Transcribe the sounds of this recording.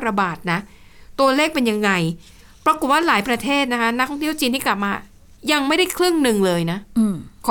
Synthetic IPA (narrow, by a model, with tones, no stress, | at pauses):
ɾa˧baː˨˩t̪̚na˦˥ | t̪u˧ɐleː˥˩k̚pe˧nja˧ŋːa˧j | pɾa˧ko˨˩t̪̚waː˥˩laː˩˦jpɾa˧t̪ʰeː˥˩t̪̚na˦˥kʰa˦˥na˦˥k̪̚ʰɔ˥˩t̪ʰəwt͡ɕiː˧nt̪ʰiː˥˩kla˨˩p̚maː˧ | ja˧ŋma˥˩jda˥˩jkʰlɯ˥˩ŋnɯ˨˩ŋlɤː˧jna˦˥˧kʰː